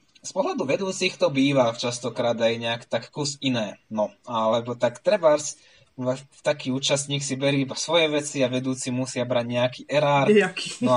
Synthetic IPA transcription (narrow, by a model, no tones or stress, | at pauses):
spɔɦlad̪uʋɛd̪uːt͡sixt̪ɔbiːʋat͡ʃast̪ɔkɾaːd̪ajɛɲɛakt̪akkusinɛːnɔalɛbɔt̪akt̪ɾɛbaɾs | ɛft̪akiːuːt͡ʃasɲiːksibɛɾiːibasʋɔjɛʋɛt͡siaʋɛd̪uːt͡simusɪabɾaɟɲɛakiːʔɛɾaːɾknɔ